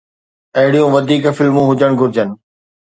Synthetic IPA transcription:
ɐɦɪɽijũʋɐd̪ʱiːkfɪlmũɦʊd͡ʑəɽ̃ɡʊɾɪd͡ʑənɪ̆

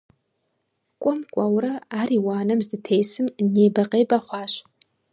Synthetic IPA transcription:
kʷʼɔmkʷʼawɾɐaːɾiːwaːnɐmzdɨtʰejsɨmneːbɐqeːbɐχʷɑːɕ

